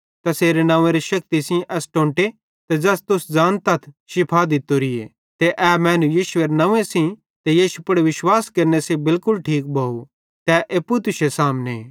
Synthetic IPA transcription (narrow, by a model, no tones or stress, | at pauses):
t̪ɐseːɾenãːʋẽɾeʃɐk̚t̪isĩʔɛːsʈõːɳʈe | t̪ɛd͡ʒɐst̪ʊsd͡zaːnt̪ɐt̪ʰʃɪpʰad̪ɪt̪oɾɪḛ | t̪eʔɛːmɛ̃ːnũjiːʃʊeɾnãːʋẽsĩ | t̪ejiːʃupɐɽeʋɪʃwaːskɐɾnesebɪlkʊlʈʰiːk̚bʱɐu | t̪ɛʔeːpːut̪ʊʃesaːmne